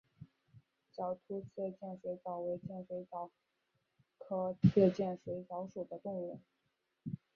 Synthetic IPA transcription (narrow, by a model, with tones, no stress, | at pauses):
t͡ɕjɑ˨˩ʊt̪ʰu˥t͡ɕʰɛ˥˧t͡ɕjɛ˥˩nʂwe˧˥ɪt͡sɑ˨˩ʊwe˧˥ɪt͡ɕjɛ˥˩nʂwe˧˥ɪt͡sɑ˧˥ʊ | kʰɤ˧˥˩tʰɛ˥˧t͡ɕjɛ˥˩nʂwe˧˥ɪt͡sɑ˧˥ʊʂu˨˩d̪ə˦t̪ʊ˥˧ŋu˥˩